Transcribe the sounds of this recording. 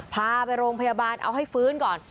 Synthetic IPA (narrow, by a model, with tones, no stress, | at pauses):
pʰaː˧pa˧jɾoː˧ŋpʰa˧jaː˧baː˧nʔa̰˧wɦa˥˩jfɯː˦˥nkɔː˨˩n